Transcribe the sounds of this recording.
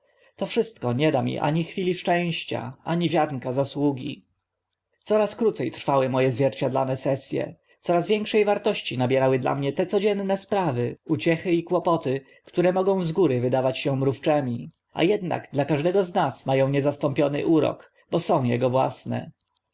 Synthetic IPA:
t̪ɔfʂɘst̪̚kɔɲɛd̪amʲḭʔa̰ɲixfʲilʲiʂt͡ʂɛ̃w̃ɕt͡ɕa̰ʔaɲivʲjad̪nkazaswuɡʲḭ | t̪sɔɾaskɾut̪sɛjt̪ɾfawɘmɔjɛzvʲjɛɾt͡ɕad̪la̰nɛsɛsʲjɛ̰ | t̪sɔɾazvʲjɛŋkʂɛjvaɾt̪ɔɕt͡ɕinabʲjɛɾawɘd̪la̰mɲɛt̪ɛt̪sɔd͡ʑɛnːɛspɾavɘut͡ɕɛxɘikwɔpɔt̪ɘ | kt̪uɾɛmɔɡɔ̃w̃zɡuɾɘvɘd̪avat͡ɕɕɛ̃mɾuft͡ʂɛmʲi | ʔa̰jɛd̪na̰ɡd̪lakaʐd̪ɛɡɔznasmajɔ̃w̃ɲɛzast̪ɔmpʲjɔnɘ̰ʔuɾɔ̰k | bɔsɔ̃w̃jɛ̰ɡɔvwa̰snɛ̰

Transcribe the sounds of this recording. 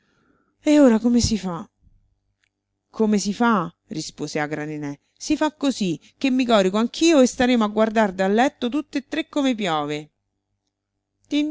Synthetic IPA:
eoːɾakomesifa | kʰomesifa | rispoːzeaɡɾanenɛ | sifakːozik̟ːemːikɔːɾikoaŋk̟ʰiːoest̪aɾeːmoaɡward̪ard̪alːɛt̪ːot̪ut̪ːeet̪ːɾekːomep̬jɔːve | t̪i

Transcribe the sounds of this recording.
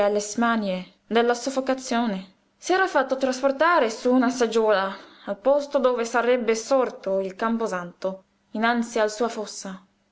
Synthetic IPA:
alːesmanje | d̪elːasofːokat̪sːjoːne | sɛːɾafat̪ːot̪ɾasport̪aːɾesuːnasad͡ʒɔːlaːlpɔst̪od̪oːvesarɛbːesɔrt̪oilkampozant̪o | inant̪sialsuːafɔsːa

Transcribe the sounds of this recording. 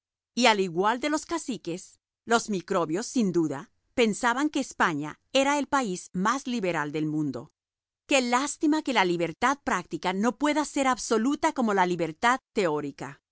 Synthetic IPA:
ialiɣwald̪e̞lo̞skasike̞s | lo̞zmikɾo̞βjo̞sːind̪uða | pe̞nsaβaŋke̞ːspaɲa̰ | e̞ɾae̞lpaiz̥mazliβe̞ɾald̪e̞lmũnd̪o̞̰ | ke̞last̪imake̞laliβe̞ɾt̪að̚pɾak̚t̪ikano̞pwe̞ðase̞ɾaβso̞lut̪ako̞mo̞laliβe̞ɾt̪aðt̪e̞oɾika

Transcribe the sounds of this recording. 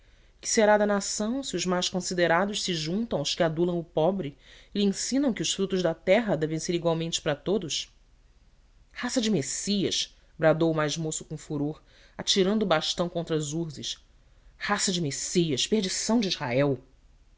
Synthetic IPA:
kɪ̥seɾad̪ɐnasɐ̃w̃siʊzmajʃkõsid̪eɾad̪ʊʃsɪʒũnt̪ɐ̃w̃ʊʃkɪad̪ulɐ̃w̃ʊpɔbɾɪlẽsĩnɐ̃w̃kɪʊʃfɾut̪ʊʒd̪ɐt̪ɛɦɐd̪ɛvẽj̃seɾiɡwawmẽnt͡ʃɪ̥pɾɐt̪od̪ʊʃ | hasɐd͡ʒɪmesiɐʃ | bɾad̪owumajzmosʊ̥kõfuɾoɾ | at͡ʃiɾɐ̃nd̪ʊːbaʃt̪ɐ̃w̃kõnt̪ɾɐzuɾzɪʃ | hasɐd͡ʒɪmesiɐʃpeɾd͡ʒisɐ̃w̃d͡ʒizha̰ɛw

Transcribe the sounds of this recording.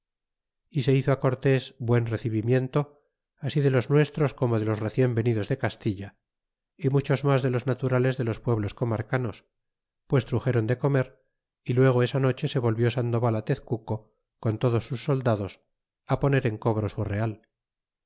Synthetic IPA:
ise̞iθoako̞ɾt̪e̞zbwe̞nre̞θiβimje̞nt̪o̞ | asiðe̞lo̞znwe̞st̪ɾo̞sko̞mo̞ðe̞lo̞sre̞θje̞mbe̞niðo̞zðe̞kast̪iʎa | imut͡ʃo̞zmazðe̞lo̞znat̪uɾale̞zðe̞lo̞spweβ̞lo̞sko̞maɾkano̞s | pwe̞st̪ɾuxe̞ɾo̞nd̪e̞ko̞me̞ɾ | ilwe̞ɣ̞o̞e̞sano̞t͡ʃese̞βo̞lβjo̞sand̪o̞βalat̪e̞θkuko̞ | ko̞nt̪o̞ðo̞sːusːo̞ld̪aðo̞s | apo̞ne̞ɾe̞ŋko̞β̞ɾo̞sure̞al

